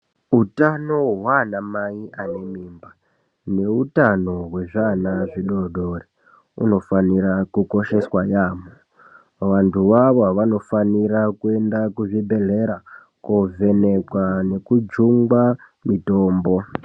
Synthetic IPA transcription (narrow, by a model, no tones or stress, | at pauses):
utano̞ɦwanamaiane̞miːmba | ne̞utano̞ɦwe̞ʐanaʐiɗoɗo̞re | ṵno̞faniɾakuko̞ʃe̞swajaːmo | ʋantʰuʋaʋoaʋano̞faniɾakue̞ndakuʐibʱe̞ɮe̞ɾa | kovʱe̞ne̞kwane̞kud͡ʒuŋɡa | mitoːmbo̞